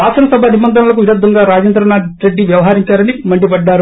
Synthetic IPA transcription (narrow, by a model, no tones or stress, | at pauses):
aːsɐnɐsɐbʱɐɐd̪ibɐnd̪ʱɐnɐlɐk̬uʋiɾɐd̪ʱːɐŋɡaːɾaːd͡ʒɐnd̪ɾɐnaːʈɾeɖːiʋjɐʋɐɦaːɾiɲt͡ʃaːɾɐnimɐɳɖipɐɖːaːɾu